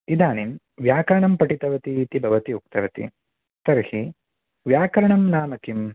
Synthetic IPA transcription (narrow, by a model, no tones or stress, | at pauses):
id̪ʱaːnim | ʋjaːkɐɾɐɳɐmpɐʈit̪ɐʋɐt̪iːt̪ibʱɐʋɐt̪iuk̚t̪ɐʋɐt̪ḭ | t̪ɐɾhi | ʋjaːkɐɾɐɳɐmnaːmɐkim